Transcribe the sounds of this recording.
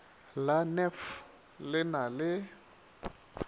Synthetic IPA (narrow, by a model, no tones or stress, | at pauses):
lanɛf | lɪnalɪ